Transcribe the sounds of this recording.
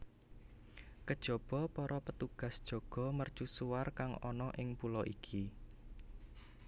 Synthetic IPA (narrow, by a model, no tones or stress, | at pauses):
kəd̥ʒ̥ɔ̤b̥ɔpɔɾɔpət̪uɡ̥a̤sd̥ʒ̥ɔ̤ɡ̥ɔ̤mərt͡ʃusuwarkaŋɔ̰nɔʔɪŋpulɔʔikʰi